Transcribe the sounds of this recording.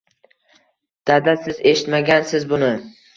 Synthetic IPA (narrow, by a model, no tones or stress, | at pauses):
d̪̥ad̪asɪze̞ʃɪ̥t̪maɡʲansɪzbʊnɪ